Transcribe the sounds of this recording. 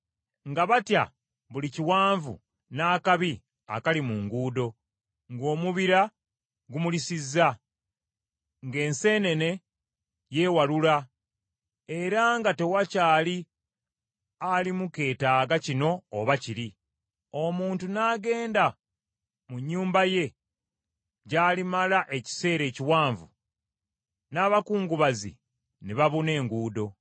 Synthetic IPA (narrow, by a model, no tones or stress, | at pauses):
ŋɡaβatja̰ | βuliciwaːɱvṵ | naːkaβi | a̰kalimuŋɡuːdo̞ | ŋɡo̞ːmuβiɾa | ɡumulisizːa | ŋɡe̞ːnse̞ːne̞ne̞ | je̞ːwalula | e̞ɾaŋɡate̞wacaːli | alimuke̞ːtaːɡacino̞ːβaciɾi | o̞muːntunaːɡe̞ːnda | muɲːuːmbaje̞ | ɟaːlimalaʔe̞ci̥se̞ːɾe̞ːciwaːɱvu | naːβakuːŋɡuβazḭ | neβaβune̞ːŋɡuːdo̞